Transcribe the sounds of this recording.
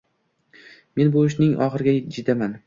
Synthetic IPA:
me̞nbʊɪʃnɪŋʔɒ̰χɨɾɡʲad͡ʒɪd̪aman

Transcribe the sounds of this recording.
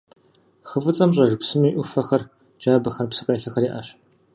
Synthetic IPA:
xɨfɨt͡sʼɐmɕ̬ʼɐʒpsɨmiːʔʷʊfɐxɐr | d͡ʒaːbɐxɐrpsɨqʼeːɬɐxɐriːʔɐ̰ɕ

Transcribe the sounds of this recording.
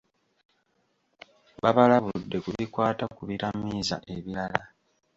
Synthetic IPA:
βaβalaβudːe̞kuβikwaːtakuβiɾamiːza̰ʔe̞βiɾala

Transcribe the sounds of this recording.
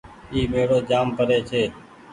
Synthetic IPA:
iːmeːɽoːd͡ʒaːmpəɾeːt͡ʃʰeː

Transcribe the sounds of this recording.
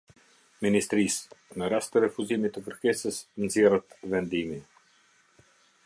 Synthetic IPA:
minist̪ɾisnəɾast̪əɾɛfuzimit̪ːəkəɾkɛsəsnzjɛrət̪vɛnd̪imi

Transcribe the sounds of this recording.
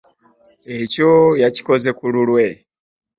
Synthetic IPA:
ecojaci̥ko̞ze̞kululwe̞

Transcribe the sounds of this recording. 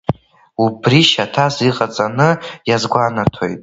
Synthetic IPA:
ubriʃatʰaziqʼat͡sʼanɨjazɡʷanatʰo̞jtʼ

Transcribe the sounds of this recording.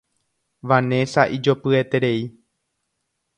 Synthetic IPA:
ʋanẽ̞saʔid͡ʒopɨet̪e̞ɾe̞i

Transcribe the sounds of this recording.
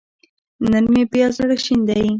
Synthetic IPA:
nənmepjɑzaɽaʃind̪aji

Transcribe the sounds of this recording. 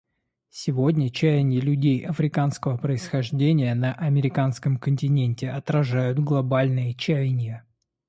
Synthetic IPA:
sʲɪvo̞dʲnʲət͡ɕæjnʲɪlʲʉdʲejʔɐfɾʲɪkanskəvəpɾəɪsxɐʐdʲenʲɪjənəʔɐmʲɪɾʲɪkanskəmkənʲtʲɪnʲenʲtʲɪʔɐt̪ɾɐʐajʊt̪ɡlˠɐbalʲnɨjət͡ɕæjnʲjə

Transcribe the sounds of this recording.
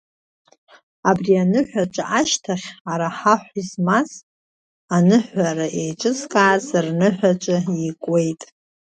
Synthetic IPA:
abrianɨħʷᶣaʈ͡ʂʼaʔaʃtʰaχʲaɾaħaħʷizmas | anɨħʷaɾaʔejt͡ʃʷʼɨt͡skʼaːzɨrnɨħʷᶣat͡ʃʷʼaikʷʼwe̞jtʼ

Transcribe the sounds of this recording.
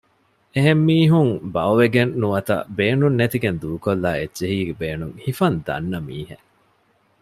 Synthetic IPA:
eɦemːiːɦuŋbɐoʋeɡenːuʋɐt̪ɐ̰beːnunːet̪iɡend̪uːkolːaːedːeɦiːɡebeːnuŋhifɐnd̪ɐ̰nːɐmḭːhḛ

